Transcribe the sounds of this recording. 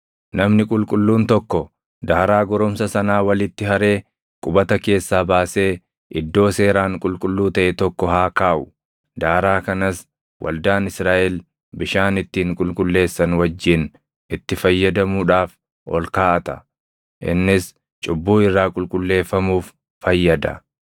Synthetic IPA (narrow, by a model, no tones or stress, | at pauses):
nɐmnɪkʼʊlkʼʊlːuːnt̪ɔkːɔ | d̪aːɾaːɡɔɾɔmsɐsɐnaːwɐlɪt̪ːɪɦɐɾe̞ː | kʼʊbɐt̪ɐke̞ːsːaːbaːse̞ː | ʔɪd̪ːo̞ːse̞ːɾaːŋkʼʊlkʼʊlːuːt̪ɐʔɛt̪ɔkːɔhaːkaːʔʊ | d̪aːɾaːkɐnɐs | wʔɐ̰ld̪aːnɪsɾaːʔɛl | bɪʃaːnɪt̪ːiːŋkʼʊlkʼʊlːe̞ːsːɐnwɐd͡ʒːɪn | ɪt̪ːɪfɐjːɐd̪ɐmuːᶑaːf | ʔɔ̰lkaːʔɐt̪ɐ̥ | ʔɪ̰nːɪs | t͡ʃʼʊbːuːɪrːaːkʼʊlkʼʊlːe̞ːfːɐmuːf | fɐjːɐd̪ɐ̰